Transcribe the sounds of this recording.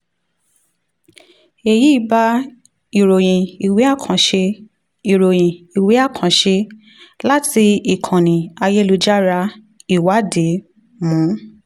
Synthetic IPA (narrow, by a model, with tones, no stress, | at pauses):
e˧ji˨˦i˦ba˦ | i˨ɾo˨j̃ĩ˨i˨wi˨˦a˦˨kʰã˨ʃe˧ | i˨ɾo˨j̃ĩ˨i˨wi˨˦a˦˨kʰã˨˦ʃe˧ | la˦ti˧i˨kʰã˨nĩ˨a˧je˦lu˧d͡ʒa˦ɾa˧˦ | i˦˨wa˨˦de˨˦ | mũ˨˦